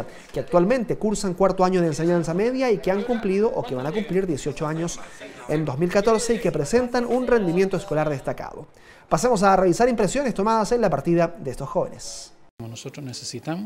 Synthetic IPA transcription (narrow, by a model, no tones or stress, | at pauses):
a | keak̚t̪walmẽ̞nt̪e̞kuɾsaŋkwaɾt̪oaɲoð̞eːns̬e̞ɲansame̞ðjaikeaŋkumplið̞o̞ʔoke̞βanakumpliɾðjesjo̞t͡ʃoaɲo̞send̪o̞zmilkat̪o̞ɾse̞ike̞pɾese̞nt̪anunre̞nd̪imje̞nt̪oesko̞laɾðest̪aka̰ðo̰ | pasemo̞s̬areβisaɾimpɾe̞sjo̞nest̪o̞maðase̞nlapaɾt̪iðaðeest̪osxo̞βe̞̰nes | monosot̪ɾoznesesit̪am